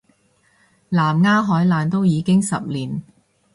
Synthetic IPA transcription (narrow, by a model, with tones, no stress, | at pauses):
laː˨˩mŋaː˥ɦɔː˨˥jlaː˨nt̪o˥wjiː˨˧kɪ˥ŋsɐ̰˨p̚liː˨˩n